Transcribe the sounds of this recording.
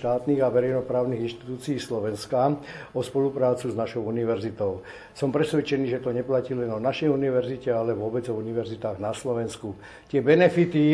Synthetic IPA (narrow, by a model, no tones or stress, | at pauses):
t̪aːt̪niːɣaʋɛɾɛjnɔpɾaːʊniɣinʃt̪i̥t̪uːt͡siːslɔʋɛnskaɔspɔlupɾaːt͡suznaʃɔʊuniʋɛɾzit̪ɔʊ | sɔmpɾɛsʋɛt͡ʃɛniːʒɛt̪ɔɲɛplaciːlɛnɔnaʃɛjuniʋɛɾzicɛalɛʋʊɔbɛd͡zɔuniʋɛɾzit̪aːɣnaslɔʋɛnsku | t̪ɪɛbɛnɛfit̪i